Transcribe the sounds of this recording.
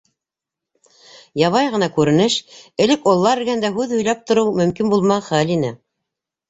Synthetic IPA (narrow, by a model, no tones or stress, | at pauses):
jɑβɑjʁɤ̆nɑkʉɾɘ̆nɘʃɘ̆lɘkolˠːɑɾɘ̆ɾɡænd̪æɦʉðhɵ̆jlæp̚t̪ŏɾɤwmɵ̆mkinbulˠmɑχælinɘ